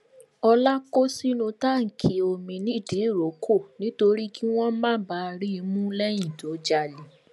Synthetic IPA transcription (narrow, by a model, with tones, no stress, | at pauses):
ɔ˧la˦ko˦si˦nũ˧ta˦˨ŋ̩˨kʰi˨˦o˧˨mĩ˧nĩ˦˨di˨˦˨ɾo˨˦kʰo˦˨nĩ˦to˧ɾi˦ki˦w̃ɔ̃˦mãː˦˨˦ba˨˦˧ɾi˦˧mũ˦lɛ˦j̃ĩ˦˨to˨˦d͡ʒa˧li˨